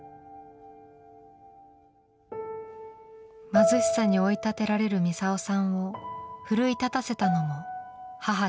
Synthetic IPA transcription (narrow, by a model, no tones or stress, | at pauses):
mazɨɕi̥saɲ̟io̞it̪at̪e̞ɾaɾe̞ɾɯ̟mʲisaosãɰ̃o̞ɸɯ̟ɾɯ̟it̪at̪ase̞t̪ano̞mo̞haɦa